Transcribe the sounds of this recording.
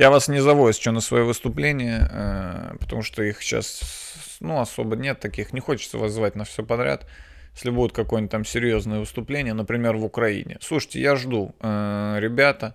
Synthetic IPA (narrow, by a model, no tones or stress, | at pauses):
javasnʲɪzɐvojɪst͡ɕɪmnəsvɐjovɨst̪ʊplʲenʲɪjəə̰pə̥t̪ɐmuʂt̪oixɕa̰s | nuɐso̞̰bənʲe̞t̪ːɐkʲixnʲɪxo̞t͡ɕɪt̪sə̰vazːvatʲnɐfsʲopɐd̪ɾʲa̰t̪ | jsʲlʲɪbudʲɪt̪kɐkojnʲt̚ʲt̪amsʲɪɾʲjo̞znəjəvɨst̪ʊplʲenʲɪjənəpɾʲɪmʲe̞rvʊkɾɐḭnʲɪ̰slˠuʂəɨtʲɪ̰jaʐd̪uəɾʲɪbʲat̪ə